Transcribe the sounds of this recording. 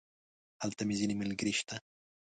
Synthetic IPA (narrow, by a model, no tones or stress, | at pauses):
alt̪ɐmizinimilɡɾiʃt̪a